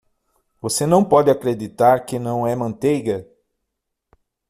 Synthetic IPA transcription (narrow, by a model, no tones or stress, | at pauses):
vosenɐ̃w̃pɔd̪ɪakɾed̪it̪aɾkɪnɐ̃w̃ɛmɐ̃nt̪ejɡɐ